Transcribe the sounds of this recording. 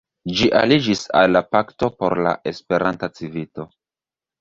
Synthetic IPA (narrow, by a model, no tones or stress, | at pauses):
d͡ʒiʔa̰lid͡ʒisa̰lːapakto̞po̞̰ɾla̰ʔe̞spe̞ɾʔantat͡sivito̞